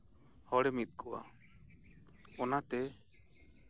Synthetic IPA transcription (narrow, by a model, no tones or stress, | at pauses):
hɔɽɛmit̪̚ˀkʰɔwa̰ | ɔnat̪ɛ